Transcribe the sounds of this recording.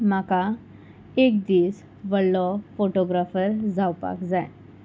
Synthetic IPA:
m̤aka | ek̚d̪iːs | ʋəɽːɔfoʈoɡɾafəɾd͡zawpa̰kd͡zaj

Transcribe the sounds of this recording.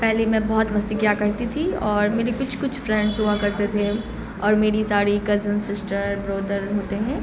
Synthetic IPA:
pɛɦlemɛ̃bɔːɔt̪mɐst̪ikjaːkɐɾt̪it̪ʰiɔːɾmeːɾekʊt͡ʃʰkʊt͡ʃʰfɾɛ̃ɳɖsɦuakɐɾt̪et̪ʰe | ɔːɾmeːɾisaːɾikɐzənsɪsʈəɾbɾoːd̪əɾɦoːt̪eɦɛ̃ː

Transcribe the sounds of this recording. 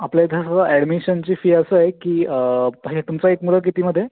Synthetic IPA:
apljad̪ʱjasad̪əʔɛɽmiɕənt͡ɕiːfiːəsəːekiːəpaɦĩt̪umt͡saekmulək̬it̪iːməd̪ʱːje

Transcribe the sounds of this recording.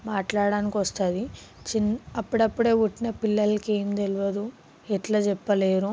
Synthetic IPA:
maːʈlaːɽaːnikiʋɐst̪aːd̪it͡ʃinɐpːuɽɐpːuɽeːʋuʈːinɐpilːɐlːɐkeːmd̪eluʋɐd̪u | ɛʈlaːt͡ʃɛpːɐleːɾu

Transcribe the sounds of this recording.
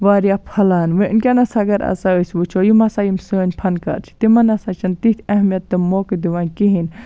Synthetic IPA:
ʋaːɾjapʰɐlaːnʋɨnkʲanɐsɐɡɐɾɐ̰saəːsʲʋɨt͡ʃʰoːjimɐsajimsəːnʲpʰɐnkɐ̰ːɾt͡ʃʰi̥t̪imɐnɐsɐt͡ʃʰɐnt̪it̪ʰʲɐɦmijɐt̪ːɨmoːkɨd̪iʋaːnʲkiɦin

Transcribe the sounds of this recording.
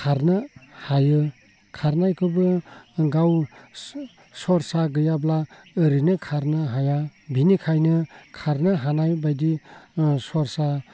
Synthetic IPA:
kʰaɾnɯhajɯ | kʰaɾnajkʰɯbɯɡaw | sɔɾsaɡɯjablaː | ɾɯnɯkʰaɾnɯɦajabinikʰajnɯkʰaɾnɯɦanajbajdi | sɔɾsa

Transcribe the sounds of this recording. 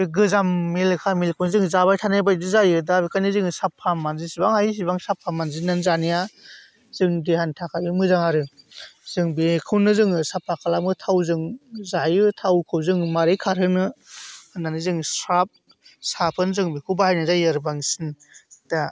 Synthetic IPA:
iɡɯzamːilkʰamilkʰunzɯŋzaβajtʰanajbajdɯzajɯdabikʰajnizɯŋɯsapʰamanzisibaŋhajis̬ibaŋsapʰːamanzinanzanija | zɯŋdehantʰakʰabimɯzaŋaɾɯ | zɯŋbikʰɯwnɯzɯŋɯsapʰakʰalamɯtʰawzɯŋzajɯtʰawkʰɯwzɯŋmaɾɯjkʰaɾhɯnɯɯnanizɯŋsɾap̚ | sapʰɯnzɯŋbikʰɯbahajnɯzajɯɾbaŋsin | d̥a

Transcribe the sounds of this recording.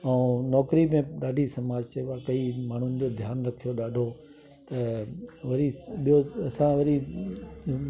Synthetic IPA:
ɐ̃ːnɔːkɾimẽɗaːɖʱisɐmaːd͡ʑseːʋakɐimaːɳ̤ʊnɪ̆d͡ʑod̪ʱjaːnɾɐkʰijoɗaːɖʱo | t̪ɐʋɐɾiɓijoɐsãʋɐɾi

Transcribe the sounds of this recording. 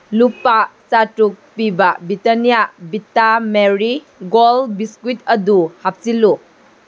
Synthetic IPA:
lupasatɾuk̚pibɐbitanijabitameɾi | ɡolbiskwitɐduhap̚silu

